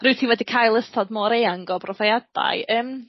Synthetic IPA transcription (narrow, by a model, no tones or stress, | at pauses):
rɨwtʰiːwɛdikʰaːjlˠəstʰɔdmɔːɾejaŋɡɔbrɔvajad̥a̰jʔəːm